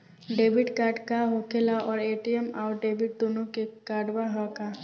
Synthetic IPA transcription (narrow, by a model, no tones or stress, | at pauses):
ɖebʱiʈkaɖkaɦokʰelaʔɔɾeʈiemawɖebʱiʈ̚d̪onukekaɖbaɦaka